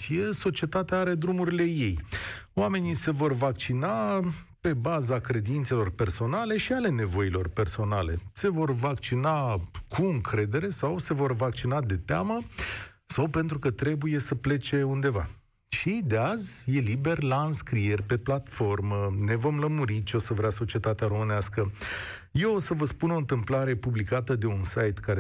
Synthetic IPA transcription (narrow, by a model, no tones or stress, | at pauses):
ieso̞t͡ʃie̞t̪at̪eaaɾe̞d̪ɾumuɾile̞je̞jwame̞nise̞vo̞rvakt͡ʃina | pe̞bazakɾe̞d̪int̪se̞lo̞rpe̞rso̞nale̞ʃiale̞ne̞vo̞ilo̞rpe̞rso̞nale̞̰se̞vo̞rvakt͡ʃinakʰuɨŋkʰɾe̞d̪e̞ɾe̞sawse̞vo̞rvakt͡ʃinad̪e̞t̪ea̰mə | sawpe̞nt̪ɾukət̪ɾe̞buje̞səple̞t͡ʃe̞und̪e̞va̰ | ʃid̪e̞azʲje̞libe̞rʲlaɨnskɾie̞rʲpe̞plat̪fo̞rməne̞vo̞mləmuɾit͡ʃo̞səvɾeaso̞t͡ʃie̞t̪at̪eaɾo̞mɨneaskə | je̞osəvəspuno̞nt̪ɨmplaɾe̞publikat̪əd̪e̞unsajt̪kaɾe